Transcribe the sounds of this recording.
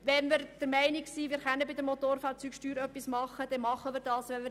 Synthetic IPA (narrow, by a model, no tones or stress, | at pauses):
ʋɛnmɪɾd̥əɾmɛɪnɪksiːʋɪːɾχœnːəbɪd̪əmotoːɾfɑːɾt͡syːkʃtyːɾœpːismɑχːəd̥̪ɛnmɑχːəmɪɾd̥ɑːsʋɛnmɪ